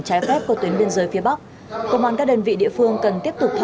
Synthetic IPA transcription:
t͡ɕaː˨˦jfɛ˦˥p̚ku˧˩ət̪wi˨˦ənɓi˧ənzəː˨˦jfi˨˦əɓa˦˥k̚ | kə̰˧˨wŋ͡mwa̰ː˧˩nkaː˦˥ɗəː˧˩nvḭ˧˨ɗḭ˧˨əfɨ˧əŋkə˨˩nt̪i˦˥əp̚t̪ʊ˨˩k͡p̚t̪ʰ

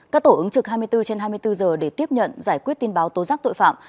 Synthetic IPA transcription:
kaː˦˥k̚t̪o˧˩ʔɨ˨˦ŋt͡ɕɨ˨˩k̚haː˧jmɨ˧əjt̪ɨ˧t͡ɕe˧nɦaː˧jmɨ˧əjt̪ɨ˧zəː˨˩ɗe˧˩t̪i˦˥əp̚ɲə̰˧˨nzaː˧˩jkwt̚t̪i˧nɓaː˨˦wt̪o˨˦zaː˦˥k̚t̪o̰˧˨jfa̰ː˧˨m

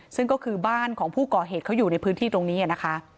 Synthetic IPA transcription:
sɯ˥˩ŋkɔː˥˩kʰɯː˧baː˥˩nkʰɔː˩˦ŋpʰuː˥˩kɔː˨˩ɦeː˨˩t̪̚kʰa˦˥wjuː˨˩na˧jpʰɯː˦˥nt̪ʰiː˥˩t̪o˧ŋniː˦˥ʔa˨˩na˦˥kʰa˦˥ʔ

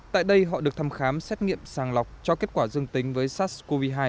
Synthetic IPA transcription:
t̪a̰ː˧˨jɗə˧jɦɔ̰˧˨ɗɨ˨˩ək̚t̪ʰaː˧mxaː˨˦msɛ˦˥t̚ŋḭ˧˨əmsaː˨˩ŋla˨˩wk͡p̚t͡ɕɔ˧ke˦˥ət̚kwaː˧˩zɨ˧əŋt̪ï˨˦ŋ̟vəː˨˦jsaː˦˥t̚ko˧vi˧ɦaː˧j

